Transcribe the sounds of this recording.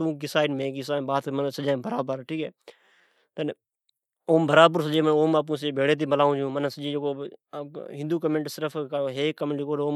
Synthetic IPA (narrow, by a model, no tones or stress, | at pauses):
t̪ũːkɪsaːɪɖmẽːkɪsãːbaːt̪ːmənsəd͡ʒãːbəɾaːbəɾʈʰiːkɛː | t̪ən | oːmbəɾaːbəɾs̬əd͡ʒeːmənoːmaːp̬ũːs̬əeːbeːɽeːt̪̬iːbəlaːũːd͡ʒũːmənsəd͡ʒeːd͡ʒekoː | ɦɪ̃nd̪uːkəmẽɳʈsɪɾəfʰkoɦeːkəmlɪkoːɾoːm